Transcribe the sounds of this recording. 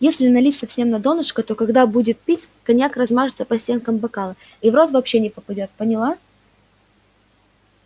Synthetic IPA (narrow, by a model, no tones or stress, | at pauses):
jesʲlʲɪnɐlʲitʲsɐfsʲe̞mnɐd̪o̞nʊʂkət̪o̞kɐɡd̪abudʲɪt̪̚pʲitʲkɐnʲjakrɐzmaʐɨt̪səpɐsʲtʲe̞nkəmbɐkalˠəivɾo̞t̪vɐpɕːenʲɪpəpɐdʲo̞t̪̚pənʲɪlˠa